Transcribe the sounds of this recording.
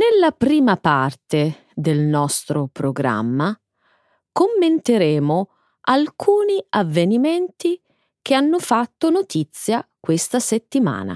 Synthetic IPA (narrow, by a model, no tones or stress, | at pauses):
nelːapɾiːmapart̪e | d̪elnɔst̪ɾopɾoɡɾa̰mːa | komːent̪eɾeːmʊ | alkʰuːniavːenimɛnt̪i | k̟eanːʊfat̪ːonot̪it̪sːjakwest̪aset̪ːima̰ːna̰